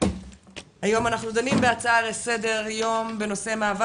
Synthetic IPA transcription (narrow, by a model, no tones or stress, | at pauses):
hajo̞manaχnud̪animbeat͡saaʁese̞de̞ʁjo̞mbe̞no̞se̞maːva